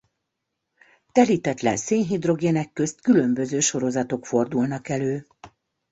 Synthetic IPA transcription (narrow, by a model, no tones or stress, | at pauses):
t̪ɛɾit̪ɛt̪lɛ̰nseːnɦid̪ro̞ɡeːnɛkːø̞st̪kylø̞mbø̞zøːʃo̞ɾo̞zɒt̪o̞kfo̞rd̪ulnɒkɛløː